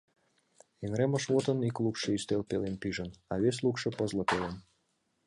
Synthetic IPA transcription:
enɾeməʃβot̪ə̆niklˠukʂəist̪elˠpʲelʲenpiʒənaβʲes̬ʲlˠukʃə̆pəzlˠɤ̆pelˠen

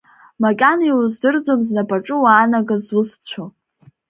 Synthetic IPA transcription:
makʲʼaniwuzdɨrd͡zomznapʰʼaʈ͡ʂʼɨwaːnaɡazwʊst͡ɕʷʰo

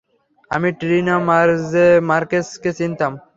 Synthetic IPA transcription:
ɐ̰miʈɾinamaɾzemaɾkeskesint̪ɐm

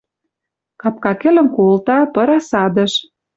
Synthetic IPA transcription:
kɑp̚kɑkĕlə̆mkolt̪ɑpɤ̆ɾɑsɑd̪ə̆ʃ

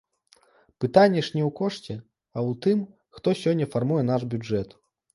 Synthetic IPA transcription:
pɨt̪anʲːɛʂnʲɛwkɔʂt͡sʲɛ | ɐwt̪ɨm | xt̪ɔsʲɔnʲːɐfarmujɛnaʐbʲud͡ʐɛt̪

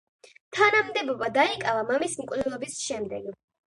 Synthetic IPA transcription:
t̪ʰanamd̪ɛbɔbad̪aikʼavamamismkʼvd̪ɛlˠɔbisʃɛmd̪ɛɡ

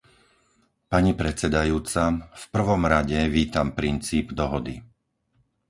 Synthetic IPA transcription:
paɲipɾɛt͡sɛd̪ajuːt͡safpr̩ʋɔmɾaɟɛʋiːt̪ampɾint͡siːbd̪ɔɦɔd̪i

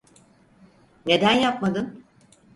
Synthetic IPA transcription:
ne̞d̪ænjapmad̪ɯn

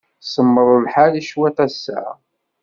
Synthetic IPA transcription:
səmːəɾˤəlħaliʃwæt̪æsːə̰

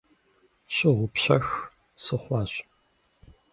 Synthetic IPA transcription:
ɕɪʁʷʊpɕɐ̰x | sɨχʷɑːɕ

